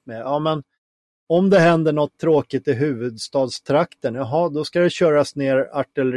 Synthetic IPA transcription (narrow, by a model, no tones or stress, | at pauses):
mɛjɑːmɛn | ɔmd̪ɛɦɛnd̪əɳɔt̪ʰːɾoːkɪt̪ɪɦʉ̟ːvɵd̪st̪ɑːd̪st̪ʰɾakt̪ənjɑɦɑd̪ɔskad̪ɛɕœːɾasneːɾaʈːɛlɾ